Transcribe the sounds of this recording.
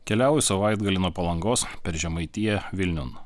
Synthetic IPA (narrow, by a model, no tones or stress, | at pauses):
kʲɛlʲæˑʊjusɐʋɑˑɪd̪ɡɐlʲɪnuɔpɐlˠɐŋɡoːspʲɛɾʒʲɛmɐɪt̪ʲijɛʋʲɪlʲnʲʊn